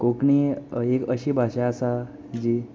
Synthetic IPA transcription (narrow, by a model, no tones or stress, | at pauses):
kokniekəɕiːbʱaɕɛasa | d͡ʑi